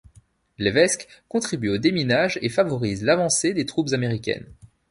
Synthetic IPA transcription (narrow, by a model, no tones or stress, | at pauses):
levɛskkɔ̃t̪χibyod̪eminaʒefavɔʁizlavɑ̃sed̪et̪χupzameʁikʲɛ̰n